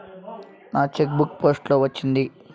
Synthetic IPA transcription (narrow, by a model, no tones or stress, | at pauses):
naːt͡ʃek̚bukpo̞ːsʈlo̞ːʋɐt͡ʃːind̪i